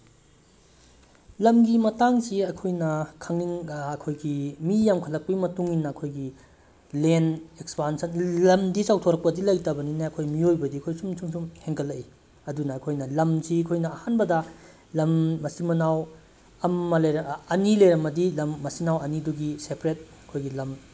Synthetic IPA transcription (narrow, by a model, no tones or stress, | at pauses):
lɐmɡimɐtaŋsiɐkʰojnɐkʰɐŋiŋːkʰojɡimijamkʰɐlɐk̚pɐɡimɐtuŋinːɐːkʰojɡi | lenekspansɐnlɐmdisawtʰoɾɐk̚pɐdilɐjtɐbɐninaɐkʰojmiojbɐdiɐkʰojsumsumsumheŋkʰɐlːɐʔi | ɐdunɐːkʰojnɐlɐmsikʰojnɐːhanbɐdɐ | lɐmːɐsimɐnaw | ɐmːɐlɐjɾɐɐnilejɾɐmɐdilɐmːɐsinawɐniduɡisepʰɾet̚ɐkʰojɡilɐm